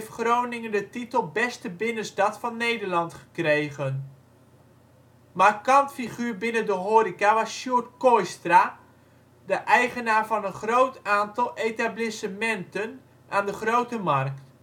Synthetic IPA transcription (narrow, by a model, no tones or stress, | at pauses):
ftχrownɪŋəndətitəlˠbɛstəbɪnəstɑtfɑnːejdəɹlɑntχə̥krejɣən | maːkɑmpfiχyːɹbɪnəndəɦoːɾikaʋɑsʃjuətkɔjstra | dəʔɛjχənaːɹvɑnənχrowtaːntɑlˠejtablɪsəmɛntən | ʔaːndəχrowtəmɑrk̚t